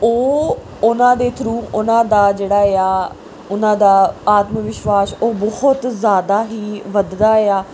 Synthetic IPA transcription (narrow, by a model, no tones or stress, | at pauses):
oː | ʊnãːd̪eːt̪ʰɾuːʊnãːd̪aːd͡ʒeːɽaːeaː | ʊnãːd̪aːaːt̪məʋɪʃʋaːsoːbɔhʊt̪zjaːd̪aːɦiːʋəd̪d̪aːeaː